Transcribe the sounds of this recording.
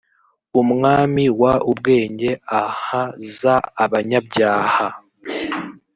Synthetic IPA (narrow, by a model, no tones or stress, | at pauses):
umŋaːmiwaubɡe̞ːɲɟe̞ahazaːβaɲabɟaːha